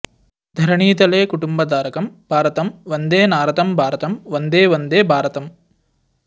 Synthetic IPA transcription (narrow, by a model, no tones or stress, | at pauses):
d̪ʱɐɾɐɳiːt̪ɐleːkuʈumbɐd̪aːɾɐkɐmbʱaːɾɐt̪ɐmʋɐnd̪eːnaːɾɐt̪ɐmbʱaːɾɐt̪ɐmʋɐnd̪eːʋɐnd̪eːbʱaːɾɐt̪ɐm